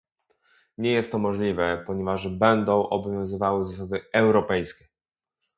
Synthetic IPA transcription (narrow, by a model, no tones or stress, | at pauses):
ɲɛjɛst̪ːɔmɔʐlʲivɛpɔɲɛvaʐbɛnd̪ɔ̃w̃ʔɔbɔvʲjɔ̃w̃zɘvawɘzas̬ad̪ɘɛwɾɔpɛjskʲɛ